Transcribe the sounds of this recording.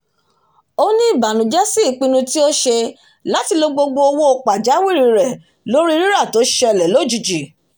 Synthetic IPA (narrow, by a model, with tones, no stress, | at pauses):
o˦nĩ˦i˦˨ba˨nũ˨˦d͡ʒɛ˦si˦i˦˨k͡pĩ˧nũ˧ti˦o˦ʃe˧ | la˨˦ti˧lo˧ɡ͡bo˧ɡ͡bo˧o˧wo˦o˧k͡pa˨d͡ʒa˨˦wi˦˨ɾi˨˧˨ɾɛ˨ | lo˨˦ɾi˦ɾi˦ɾa˦˨to˨˦ʃe˧˦ɛ˧˨lɛ˨lo˨˦d͡ʒu˨d͡ʒi˨